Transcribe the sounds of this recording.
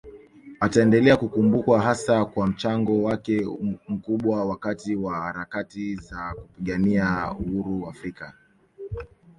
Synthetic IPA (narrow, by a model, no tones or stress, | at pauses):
ataɛndɛlɛakukumbukwaɦasakwam̩t͡ʃaŋɡɔwakɛm̩kuɓwawakatiwahaɾakatizakupiɠaniauhuɾuafɾika